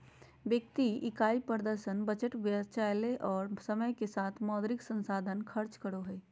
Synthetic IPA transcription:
ʋjək̚t̪iɪkaːipəɾd̪əɾʃənbəd͡ʒəʈʋjət͡ʃajleʔɔːɾsəməjkesaːt̪ʰmɔːd̪ɾɪksə̃nsaːd̪ʱənkʰəɾt͡ʃkəɾoɦɛː

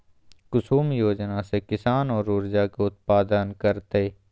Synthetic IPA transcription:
kʊsuːmjoːd͡ʒnasekɪsaːnɔːɾʊːɾd͡ʒakeʊt̪̚paːd̪ənkəɾt̪e

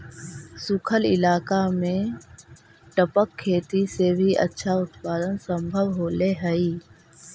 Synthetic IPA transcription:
sʊkʰəlɪ̰laːkamẽ | ʈəpəkʰːeːt̪isebʱiʔə̰tːʃʰaʊt̪paːd̪ənsə̃mbʱəʋɦoːleɦəiː

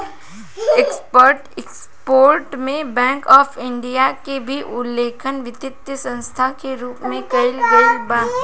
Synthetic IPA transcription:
ekspəɾʈeks | poːɾʈmẽbɛ̃ːŋkɔːfɪ̃ɳɖijakebʱiʔʊlːeːkʰənʋɪt̪ɪt̪jəsɐ̃nst̪ʰakeɾuːpmẽkɐɪlɡɐibãː

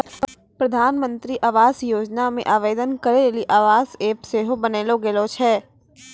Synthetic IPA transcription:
pɾɐd̪ʱaːnmə̃nt̪ɾiʔaːʋaːsjoːd͡ʒnamḛ̃ʔaːʋeːd̪ənkɐɾeliʔaːʋaːseːpseːɦobɐneːloɡelot͡ʃʰɛː

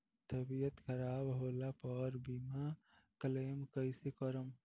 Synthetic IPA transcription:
t̪əbijət̪kʰəɾaːbɦolapɔɾbima | kəlemkəɪsekəɾəm

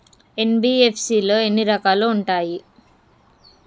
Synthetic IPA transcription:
e̞nbiːepʰsiːloːenːiɾɐkaːluːɳʈaːji

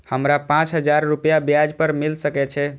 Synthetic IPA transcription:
həmɾapãt͡ʃɦəd͡ʒaɾːupjabjad͡ʒpəɾmilsəkɛt͡ʃʰɛ

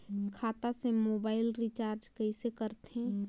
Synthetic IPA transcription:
kʰaːt̪asemoːbaːɪlɾit͡ʃaːɾd͡ʒkəɪsekəɾt̪ɦɛ̃

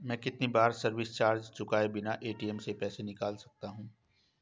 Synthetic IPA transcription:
mɛ̃ːkɪt̪nibaːɾsɐɾʋɪst͡ʃaːɾd͡ʒt͡ʃʊkaːebɪnaʔeːʈiɛmsepɛːsenɪkaːlsɐk̚t̪aɦũː

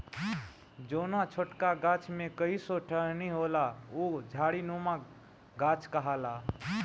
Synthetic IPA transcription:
d͡ʒonat͡ʃʰoʈkaɡat͡ʃʰmẽkəisoʈʰəɦniɦolaod͡ʒʱaɽinoma | ɡat͡ʃʰkəɦala

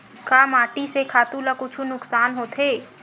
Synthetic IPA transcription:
kaːmaːʈisekʰaːt̪ũlakʊt͡ʃʰunʊksaːnɦoːt̪ʰeː

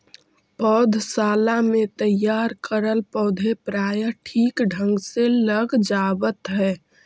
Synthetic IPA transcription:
pɔʊd̪ʱsalamet̪əjaɾkəɾəlpɔʊd̪ʱepɾajəʈʰiːkɖʱə̃ŋɡseləɡd͡ʒabət̪ɦɛː

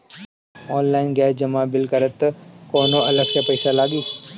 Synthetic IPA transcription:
ɔːnlaːɪnɡɛːsd͡ʒəmaːbɪlkəɾət̪koːnoʔɐləɡsepəɪsalaːɡiː

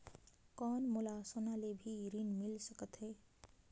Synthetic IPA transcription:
kɔnmulasənalebʱiɾinmilsəkət̪ɦe

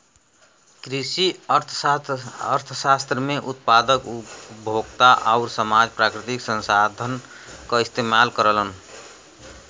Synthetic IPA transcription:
kɾisiəɾt̪ʰ | əɾt̪ʰəsast̪ɾəmeʔut̪̚pad̪əkubʱoɡt̪aʔaʊɾsəmad͡ʒpɾakɾit̪iksə̃nsad̪ʱən | kəist̪emalkəɾələn

